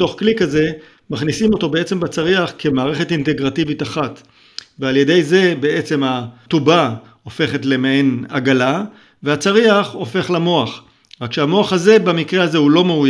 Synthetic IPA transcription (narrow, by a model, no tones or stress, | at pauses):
to̞χklikaze̞ | maχnisimo̞to̞be̞et͡se̞mbat͡saʁiaχke̞maːʁe̞χe̞tinte̞ɡʁativitaχat | vealje̞de̞jze̞be̞et͡se̞matuba | o̞fe̞χetle̞meenaɡala | veat͡saʁiaχo̞fe̞χlamo̞aχ | ʁakʃeamo̞aχhaze̞bamikʁehaze̞hulo̞meuj